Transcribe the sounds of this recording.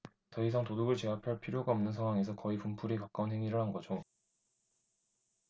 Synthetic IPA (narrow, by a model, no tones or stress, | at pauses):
t͡ɕʌis̬ʰaŋtodoɡɯɭt͡ɕe̞apʰjʌɭpʰiɾjoɡaʌmnɯnsʰaŋɦwaŋe̞s̬ʰʌkʌipumpʰuɾikak͈̚aunɦe̞ŋiɾɯɭhanɡʌd͡ʑo